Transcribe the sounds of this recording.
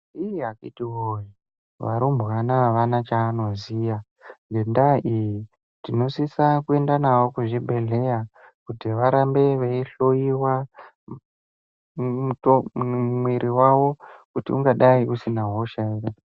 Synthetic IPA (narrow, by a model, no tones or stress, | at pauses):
iɦakitiwoji | ʋa̰ɾombɣanaʋanat͡ʃaːno̞zija | ŋɡendaʔiji | tino̞sisakue̞ndanawo̞kuʐibʱe̞ɮe̞ja | kutiʋaɾambe̞ʋeiɬo̞iwa | utomwiɾʔiwawo̞kutiuŋɡaɗaiʔusinaɦoʃaiɾa